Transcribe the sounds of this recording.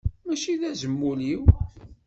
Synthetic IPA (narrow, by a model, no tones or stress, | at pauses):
mæʃiðæzəmːuliw